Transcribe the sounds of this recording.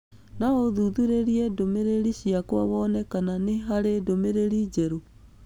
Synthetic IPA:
naoðuðuɾeɾiɛdomeɾeɾiɕiakwaβɔnɛkananeɦaɾedomeɾeɾid͡ʑɛɾo

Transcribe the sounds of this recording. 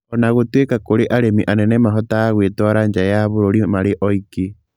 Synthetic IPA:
ɔnaɣotwekakoɾeʔaɾemiʔanɛnɛmaɦɔtaːɣwetwaɾaɲd͡ʒajaβoɾoɾimaɾeʔɔiki

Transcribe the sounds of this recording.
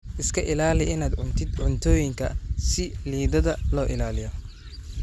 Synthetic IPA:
ʔɪskʰɐʔɪlaːlɪɪnaːd̪ʕʊnt̪ʰɪd̪ʕʊnt̪ʰɔːjɪŋkʰɐsɪliːðɐðɐlɔːʔɪlaːlɪjɔ

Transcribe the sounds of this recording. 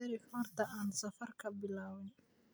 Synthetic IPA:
ɐɾɪħɔːrt̪ʰɐaːnsɐfɐrkʰɐbɪlaːwɪn

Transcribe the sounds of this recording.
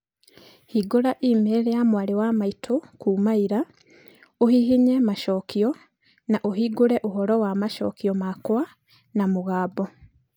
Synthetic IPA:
hiɡuɾaʔimeɾejamwaliwamaitʰokuːmaiɾa | ohihiɲemaʃoːkio | naʔoɦiɡuɾeʔuɦoɾowamaʃo̰ːkiomakwa | namuɣaːbo

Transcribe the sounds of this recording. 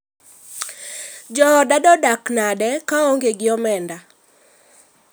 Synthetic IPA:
d͡ʒɔɔdadɔdaknadɛkaɔŋɡeɡɪɔmɛnda

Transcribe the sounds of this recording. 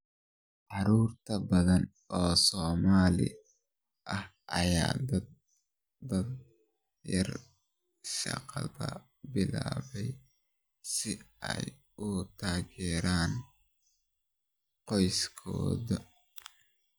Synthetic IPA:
ʕɑɾuːrt̪ʰɐbɐðɐn | ʔɔːsɔːmaːlɪ̰ | ʔɐh | ʔɐɑjaːd̪ɐd̪ | d̪ɐd̪ | jɐr | ʃɑ̰qɑðɐ | bɪlaːβɛj | sɪɛj | ʊt̪ʰaːɣɛːɾaːn | qɔjskʰɔ̰ːðɐ

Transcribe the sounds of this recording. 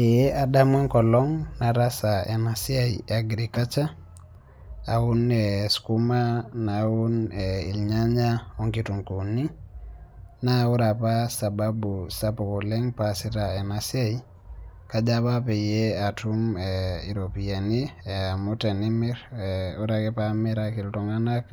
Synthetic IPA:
ejeʔadamɔŋkɔlɔŋnaɾasaḛnasiaj̰aɡɾikat͡ʃa | aunɛskumanaunɛḭlɲaɲaɔŋkituŋkuni | nauɾapasababusapokɔlɛŋpasitaenasiaji | kad͡ʒapapɛjeatumɛḭɾopianimutenimiɾuɾakɛpamiɾakiltɔŋanak

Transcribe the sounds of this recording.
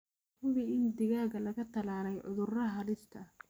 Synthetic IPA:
hʊβɪɪnd̪ɪɣaːɣɐlɐɣɐt̪ʰɐlaːlɛjʕʊ̰ðʊrɐɦɐlɪst̪ʰɐ

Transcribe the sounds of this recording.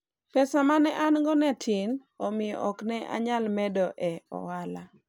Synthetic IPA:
pɛsamanɛʔanɡɔnɛtʰin | ɔmɪjɔ̰ʔɔknɛʔa̰ɲalmɛdɔʔɛɔ̰wala

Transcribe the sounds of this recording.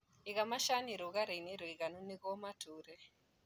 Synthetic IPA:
iɣamaʃaniɾuɣaɾeniɾuiɣanuniɣɔmatuɾɛ

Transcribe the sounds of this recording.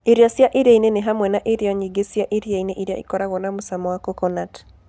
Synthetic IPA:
iɾiasjaʔiɾaineneɦamwɛnaʔeɾjɔɲiɡesjaʔiɾiaineʔiɾja̰ikɔɾaɣɔnamusamɔwakɔkɔnat

